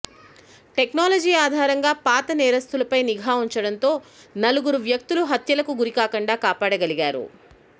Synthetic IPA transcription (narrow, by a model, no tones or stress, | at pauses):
ʈe̞knoːlɐd͡ʒiːaːd̪ʱaːɾɐŋɡaːpaːt̪ɐnɛːɾɐst̪ulɐpɐjniɡʱaːuɲt͡ʃɐɽɐnt̪o̞ːnɐluɡuɾuʋjɐk̚t̪uluɦɐt̪jɐlɐkuɡuɾikaːkɐɳɖaːkaːpaːɽɐɡɐliɡaːɾṵ